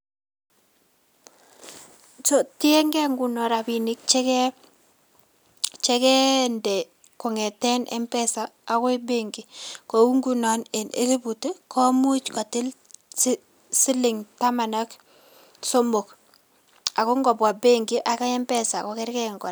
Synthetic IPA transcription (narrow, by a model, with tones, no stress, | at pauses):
t͡ʃo˦ti˦ɛ˦ŋɡɛ˦ŋɡu˨nɔ˨ɾa˨bi˨nɪ˦k̚t͡ʃɛ˦kɛ | t͡ʃɛ˦kɛ˦ndɛ˨ | kɔ˨ŋɛ˨tɛ˦nʔɛ̰˦mpɛ˦saː˨˦kɔ˦i˦be˦ŋɡɪ˨ko˨u˦ŋɡu˦nɔ˨ne˨nḛ˦li˦bu˨te˦kʰɔ˦mu˦t͡ʃka˨tɪ˦l | s | sɪ˦lɪ˨ŋta˦ma˨na˦k | so˦mo˨k | a˨ko˦ŋɡɔ˨pwa˨be˦ŋɡi˦ʔa˨ka˦ɛ˦mpɛ˦sa˨kɔ˦kɛ˦ɾkɛ˦ŋɡɔ˨